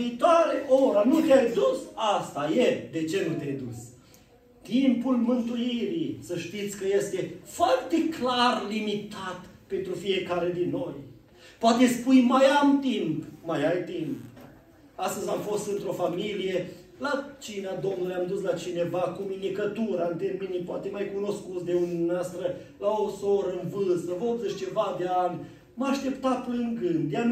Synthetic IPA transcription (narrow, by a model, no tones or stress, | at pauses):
iːt̪oaɾeʔo̞ɾanut̪eajd̪usast̪ajed̪e̞t͡ʃe̞nut̪eajd̪us | t̪impulmɨnt̪uiɾisəʃt̪it̪sʲkəje̞st̪e̞foart̪e̞klarlimit̪at̪ | pe̞nt̪ɾufije̞kaɾe̞d̪inːo̞j | poat̪e̞spujmajamt̪impmajajt̪imp | ast̪əzʲamfo̞st̪ɨnt̪ɾo̞familije̞ | lat͡ʃinead̪o̞mnuljamd̪uslat͡ʃine̞vakumind̪ikət̪uɾəant̪erminipoat̪emajkuno̞skut̪sd̪e̞unʲuneast̪ɾə | laosoɾəɨnvɨlsəvod̪zəʃt͡ʃe̞vad̪eanʲ | məaʃt̪e̞pt̪aplɨŋɡɨnd̪ja